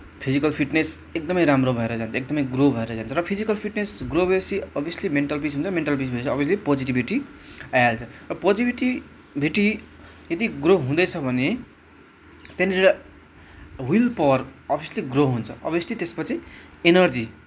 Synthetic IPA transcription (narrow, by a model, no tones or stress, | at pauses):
pʰid͡zikʌlpʰiʈnes | ek̚d̪ʌmʌjɾamrobʱʌeɾʌd͡zant͡sʰʌek̚d̪ʌmʌjɡrobʱʌeɾʌd͡zant͡sʰʌɾʌpʰid͡zikʌlpʰiʈnesɡrobʱʌjʌsiʌbʱijʌslimeɳʈalpisɦunt͡sʰʌmeɳʈalpisbʱʌd̪t͡sʰʌːbiʌslipod͡ziʈibʱiʈiajalt͡sʰʌɾʌpod͡zibiʈi | bʱiʈi | jʌd̪iɡroɦũd̪ʌjt͡sʰʌbʱʌne | t̪eneʌ | wilpʌwʌrʌbʱijʌsliɡroɦunt͡sʰʌ̰ʌbjʌslit̪espʌt͡sʰienʌrd͡zi